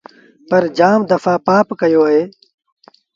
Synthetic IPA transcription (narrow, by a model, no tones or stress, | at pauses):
pɐɾd͡ʒaːmd̪ɐfaːpaːpkɐjoːaɦeː